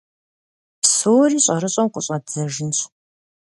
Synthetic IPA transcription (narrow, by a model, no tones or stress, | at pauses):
psoːriːɕʼɐɾɨɕʼɐmqʷʊɕʼɐd͡zɐʒɪnɕʼ